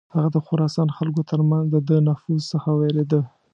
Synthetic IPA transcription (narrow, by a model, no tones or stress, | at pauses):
haɣad̪əxʊɾɑsɑnxalkot̪əɾmanzd̪əd̪ənafuzsəxaweɾed̪ə